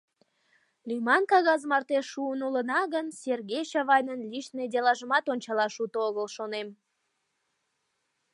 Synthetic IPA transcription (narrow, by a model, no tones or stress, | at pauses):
lʲymɑnkɑɣɑzmɑrt̪eʃːuənulənɑɣənserɣejʃɑβɑjnənlʲiʃned̪ʲelɑʒəmɑt̪onʲt͡ɕɑlɑʃut̪oɣəlʃonem